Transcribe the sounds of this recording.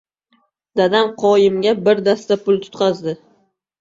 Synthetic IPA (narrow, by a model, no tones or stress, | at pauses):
d̪̥ad̪amqʰɒjɪmɡʲabɪɾd̪ast̪apʊlˠt̪ʰʊ̥t̪qʰɑzd̪ɪ